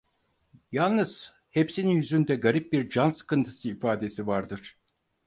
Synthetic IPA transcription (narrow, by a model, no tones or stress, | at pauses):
jalˠnɯz̥ | hepsininjyzynd̪ɛɡaɾip̚biɾd͡ʒansɯ̥kɯnt̪ʰɯ̥sɯifaːd̪e̞sivaɾd̪ɯɾ̥